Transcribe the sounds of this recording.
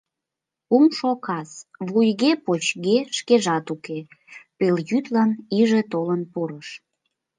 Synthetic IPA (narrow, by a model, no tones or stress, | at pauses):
umʃokɑsβujɣepot͡ɕɣeʃkeʒɑt̪ukepeljyt̪lɑniʒet̪olənpuɾəʃ